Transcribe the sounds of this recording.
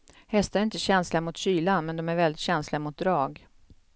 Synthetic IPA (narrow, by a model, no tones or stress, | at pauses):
hɛst̪aɾæɾɪnt̪əɕɛnslamʊt̪ɕyːlanmɛnd̪ɔmæɾvɛld̪ɪt̪ɕɛnslɪamʊt̪̚d̪ɾɑːɡ